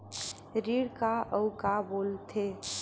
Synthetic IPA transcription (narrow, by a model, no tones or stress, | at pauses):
ɾiɽkaəʊkaboːlt̪ʰe